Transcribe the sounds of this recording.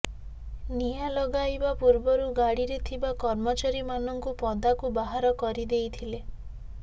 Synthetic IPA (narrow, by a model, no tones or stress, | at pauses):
nijalɔɡajbapuɾbɔɾuɡaɽiɾet̪ʰibakɔɾmɔt͡ʃaɾimanɔŋkupɔd̪akubaɦaɾɔkɔɾid̪ejt̪ʰile